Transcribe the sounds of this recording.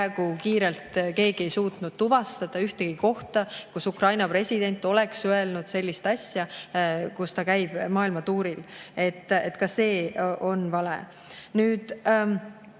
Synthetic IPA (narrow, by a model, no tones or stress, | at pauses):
æeɡ̥ukiːɾe̞lt̪ke̞ːɡ̥ie̞jsuːt̪nud̪̥̚t̪uvɑst̪ɑd̪̥ɑyht̪eɡ̥iko̞ht̪ɑkusukrɑjnɑpre̞sʲid̪e̞nʲt̪ːˑo̞le̞ksøe̞lnud̪̥se̞lʲːist̪ɑsʲjɑkust̪ɑkæjb̥mɑːilmɑt̪uːɾile̞t̪ːḛt̪kɑse̞ːʔo̞nvɑlḛ | nyːd̪̥